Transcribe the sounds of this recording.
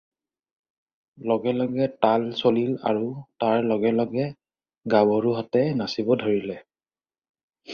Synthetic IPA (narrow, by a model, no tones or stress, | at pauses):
lɔɡɛlɔɡɛtalsolila̰ɹutaɹlɔɡɛlɔɡɛ | ɡawɔɹuɦatɛnasibɔdʱoɹilɛ